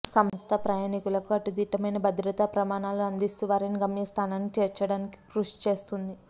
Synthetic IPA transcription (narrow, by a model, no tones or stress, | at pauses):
sɐmst̪ʰɐpɾɐjaːnikulɐkuɐʈud̪iːʈɐmɐjnɐbʱɐd̪ɾɐt̪apɾɐmaːnaːluɐnd̪ist̪uʋaːɾiniɡɐmjɐst̪ʰaːnaːnːit͡ʃeːɾt͡ʃɐɽaːniki̥kɾuʂt͡ʃe̞ːst̪und̪i